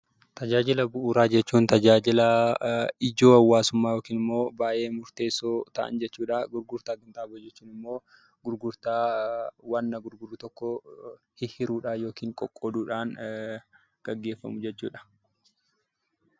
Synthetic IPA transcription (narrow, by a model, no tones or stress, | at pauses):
t̪ɐd͡ʒaːd͡ʒɪlɐbʊʔuːɾaːd͡ʒɛt͡ʃːuːnt̪ɐd͡ʒaːd͡ʒɪlɐ | ɪd͡ʒo̞ːɐwːaːsʊmːaːjoːkiːnɪmːo̞ːbaːje̞ːmʊɾt̪e̞ːsoːt̪ɐʔɐ̰nd͡ʒɛt͡ʃːuːᶑaɡʊɾɡʊɾt̪aːɡɐnt̪aːbod͡ʒɛt͡ʃːuːnɪmːo̞ː | ɡ̥ʊɾɡʊɾt̪aːwɐnːɐɡʊɾɡʊrːʊt̪ɔkːɔ | hɪhɪɾuːᶑaːjo̞ːkiːŋkʼɔ̰kʼːɔd̪uːᶑaːn | ɡ̥ɐɡːe̞ːfːɐ̰mʊd͡ʒɛt͡ʃːṵːᶑɐ̥